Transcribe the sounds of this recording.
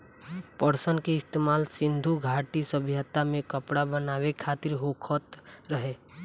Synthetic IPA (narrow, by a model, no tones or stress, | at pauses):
pəɾsənkeɪst̪eːmaːlsɪ̃nd̪ʱuɡʱaːʈisəbʱjət̪amẽkəpɽabənaːwekʰaːt̪ɪɾɦoːkʰət̪ɾəɦeː